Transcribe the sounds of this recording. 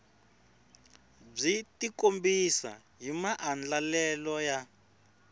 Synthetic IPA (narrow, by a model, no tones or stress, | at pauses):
b͡ʐitikombisa̰ | ɦimaʔand͡ɮalɛlɔja